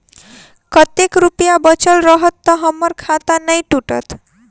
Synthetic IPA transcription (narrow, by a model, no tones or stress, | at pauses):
kʌt̪ekɾupijabʌt͡ʃʌlɾʌɦʌt̪ːʌɦʌmːʌɾkʰat̪anəjʈuʈʌ̰t̪